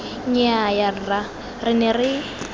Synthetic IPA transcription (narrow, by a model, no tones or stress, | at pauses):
ɲɛajarɪra | rɪnɛrɪ